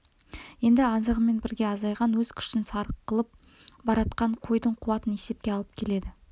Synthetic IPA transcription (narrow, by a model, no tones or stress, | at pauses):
je̞nd̪ɪɑzəʁəme̞nbɪɾɡʲe̞ɑzɑjʁɑnwɵzkʲʰʏ̥ʃt̪ɪnsɑɾəqːəlˠəp̚ | bɑɾɑt̪qɑɴqʰo̞jd̪əɴqʰʊwɑt̪əne̞se̞p̚kʲe̞ɑlˠəp̚kʲʰe̞le̞d̪ɪ